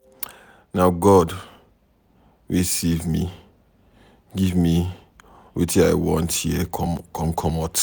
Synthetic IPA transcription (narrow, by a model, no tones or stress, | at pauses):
naʊɡɔd | wisevmi | ɡivmi | wḛtia̰ɪwɔ̰̃nthiɛkʰɔ̃mkʰɔmɔt